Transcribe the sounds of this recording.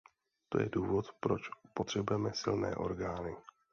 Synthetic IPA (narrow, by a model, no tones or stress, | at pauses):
t̪o̞̰jɛ̰duːvo̞t̪pɾo̞t͡ʃpo̞t̪r̝̥ɛbujɛmɛsɪ̰lnɛ̰ːʔo̞̰ɾɡaːnɪ